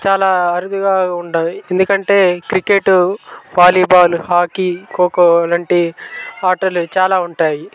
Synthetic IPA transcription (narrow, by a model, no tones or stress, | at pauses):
t͡ʃaːlaːɐɾud̪uɡaːuɳɖae̞nd̪ukɐɳʈe̞ːkɾikeʈupaːliːbaːluɦaːkiːkoːkolaɳʈiaːʈɐɾlut͡ʃaːlaːuɳʈaːji